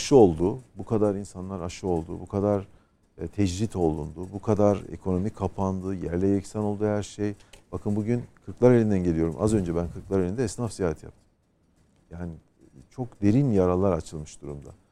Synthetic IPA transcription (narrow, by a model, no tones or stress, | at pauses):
aʃɯo̞lˠd̪ubukʰad̪aɾinsanlˠaɾaʃɯo̞lˠd̪ṵbukʰad̪aɾ | t̪ʰɛd͡ʒɾit̪ʰo̞lˠund̪ubukʰad̪aɾe̞̰kʰo̞no̞mikʰːapʰand̪ɯjæɾlʲɛjecsano̞lˠd̪ujæɾʃejb̥akʰɯnbuɟynkʰɯɾklˠaɾelʲind̪ænɟe̞lijo̞ɾṵmʔa̰zø̞nd͡ʒɛbænkʰɯklˠaɾelʲind̪ɛɛsnafzijaːɦat̪ʰja̰p̚t̪ʰɯ̥m | jaːni | t͡ʃʰo̞kd̪e̞ɾinjaɾalˠːaɾat͡ʃʰɯlˠmɯʃd̪uɾumd̪a̰